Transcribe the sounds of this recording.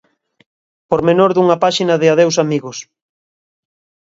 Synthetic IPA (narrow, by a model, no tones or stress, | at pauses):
poɾmenoɾðuŋɐpaʃinɐðɪaðewsamiɣʊs